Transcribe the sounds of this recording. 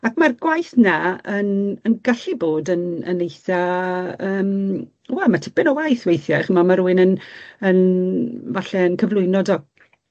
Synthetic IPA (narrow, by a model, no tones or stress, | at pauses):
akmarɡwajθnaənənɡaɬɨboːdənə̰nejθaəːm | wɛlˠmatʰɪbɪnɔwajθwejθjaχmamaɾuɨnənənvaɬɛənkʰəvlˠʊɨnɔdɔɡ